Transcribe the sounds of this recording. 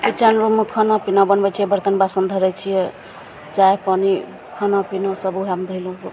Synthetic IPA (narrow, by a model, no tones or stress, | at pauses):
pit͡ʃanɾumukʰɔnapinabənbɛt͡ʃʰijɛbəɾt̪ənbasənd̪ʱəɾɛt͡ʃʰijɛ | t͡ʃaepɔni | kʰɔnapinasəbuɦamd̪ʱəilõso